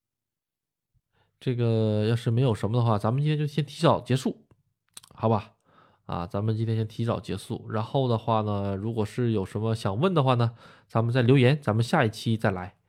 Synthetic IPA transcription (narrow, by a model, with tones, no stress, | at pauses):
ʈ͡ʂɤ˥˩ɡə˩jɑ˥˧ʊʂɻ̩˥˩me˧˥ɪjo˨˩ʊʂə˧˥mə˧d̪ə˧xwa˥˩t͡sa˧˥nmə˨˧t͡ɕi˥nʰjt͡ɕɕjɛ˥nt̪ʰi˧˥t͡sɑ˨˩ʊt͡ɕjɛ˧˥ʂu˥˩ | xɑ˧˥ʊba˧ | ɐ̰˨t͡sa˧˥mə˨˧nt͡ɕi˥t̪ʰjɕjɛ˥nt̪ʰi˧˥t͡sɑ̰˨˩ʊt͡ɕjɛ̰˧˥ʂu˥˩ɻa˧˥nxo˥˩ʊd̪ə˩xwa˥˩nə˩ɻu˧˥kwɔ˨˩ʂɻ̩˥˩jo˨˩ʊʂə˧˥nmə˧ɕjɑ˨˩ŋwə˥˩nd̪ə˩xwa˥˩nə˩t͡sa˧˥mə˧nt͡sa˥˩ɪljjɛ˧˥nt͡sa˧˥nmə˧nɕja˥˧i˥˩t͡ɕʰi˥t͡sa˥˩ɪla˧˥ɪ